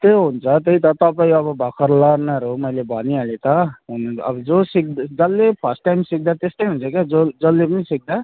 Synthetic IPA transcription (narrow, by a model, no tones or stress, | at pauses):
t̪eɦunt͡sʰʌt̪ejt̪ʌt̪ʌpaĩʌbʌbʱʌkʰʌɾlʌɾnaɾomʌjlebʱʌnialet̪ʌɦunʌ̰bʌd͡zosik̚d̪d͡zʌlːepʰʌsʈʈajmsik̚d̪at̪est̪ʌjɦunt͡sʰʌked͡zod͡zʌlːepʌnisik̚d̪a